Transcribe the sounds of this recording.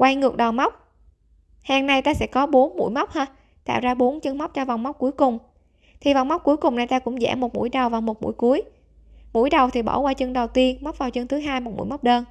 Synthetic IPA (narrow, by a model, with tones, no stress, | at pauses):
kwa˧jŋɨ˨˩ək̚ɗɔ˨˩wma˦˥wk͡p̚ | ha˧ŋna˧jt̪aː˧sɛ̰˧˥kɔ˨˦ɓo˨˦nmṵ˧˥jma˦˥wk͡p̚həː˧ | t̪a̰ː˧˨wzaː˧ɓo˨˦nt͡ɕɨ˧ŋma˦˥wk͡p̚t͡ɕɔ˧va˨˩wŋ͡mma˦˥k͡p̚ku˨˦jkʊ˨˩ŋ͡m | t̪ʰi˨˩vaː˨˩wŋ͡mma˦˥k͡p̚kːu˨˦əjkʊ˨˩ŋ͡mna˨˩jt̪aː˧kʊ̰˧˥ŋ͡mzɛ̰ː˧˥˩mo˨˩t̚mṵ˧˥jɗə˨˩wvaː˨˩wmo˨˩t̚mṵ˧˥jku˨˦əj | mṵ˧˥jɗə˨˩wt̪ʰi˨˩ɓɔ̰˧˩kwaː˧t͡ɕɨ˧ŋɗə˨˩wt̪i˧ənma˦˥k͡p̚vaː˨˩wt͡ɕɨ˧ŋt̪ʰɨ˨˦ɦaː˧jmo˨˩t̚mṵ˧˥˨jma˦˥wk͡p̚ɗəː˧n